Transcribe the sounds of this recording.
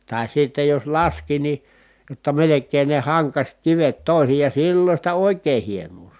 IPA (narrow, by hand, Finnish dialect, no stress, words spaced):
tɑˑi sitːej jo lɑski ni jotːɑ melekˑeːn ne hɑŋkɑsʲ kiʋet toˑisijɑˑ silːo sitæ oˑikˑeː hienuː